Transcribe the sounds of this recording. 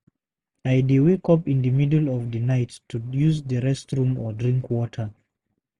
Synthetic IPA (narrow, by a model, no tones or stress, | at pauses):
aɪdiwikʰɔpĩndəmidəlɔvðənaɪtʰːujuzðəɹɛstɹũmɔdɹĩŋkwɔtʰə˞